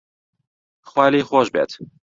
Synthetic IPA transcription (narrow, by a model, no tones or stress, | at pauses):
xwæːleːxɔːʒbɛ̰t̪